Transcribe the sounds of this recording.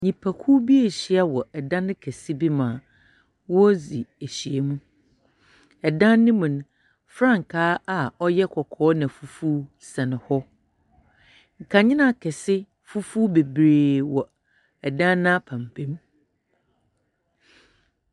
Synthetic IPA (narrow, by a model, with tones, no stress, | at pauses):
ɲĩ˨pʰæ˨kʰu˦bi˦e˨ɕi˦a˦wɔ˨ɛ˨dã˦nɪ̃˦kʰɛ˨sɪ˦bi˦mãː˨ | wɔ˦zi˨e˨ɕi˨e˨mũ˦ | ɛ˨dã˦nː˦ɪ̃˦mũ˨nʊ̃˨ | fɾã˦˨ŋ˨kʰaː˦a˨ɔ˦jɛ˦kʰɔ˨kʰɔː˦nã˨fu˨fu˦ | sɛ˨nɪ̃˨hɔ˦ | ŋ̩˨kʰã˨ɲɪ̃˦nã˨kʰɛ˨sɪ˦ | fu˦fu˦be˨bɾeː˨wɔ˨ | ɛ˨dã˦nã˦pʰã˨mpʰẽ˦m˦